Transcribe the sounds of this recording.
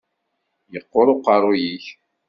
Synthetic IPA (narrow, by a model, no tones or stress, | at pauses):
jəqːʊɾˤʊqːɑɾˤojiç